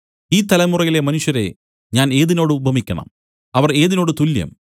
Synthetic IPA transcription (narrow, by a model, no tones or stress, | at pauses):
iːt̪ɐlɐmurɐɣile̞mɐnuʂjɐɾe̞̰ | ɲaːne̞ːðino̞ːɽɨubʱɐmikʲːɐɳɐ̰m | ɐʋɐre̞ːðino̞ːɽɨt̪uljɐ̰m